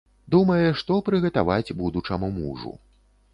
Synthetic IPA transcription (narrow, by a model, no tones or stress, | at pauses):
d̪umɐjɛʂt̪ɔpɾɨɣɐt̪avad͡zʲbud̪ut͡ʂɐmumṵʐṵ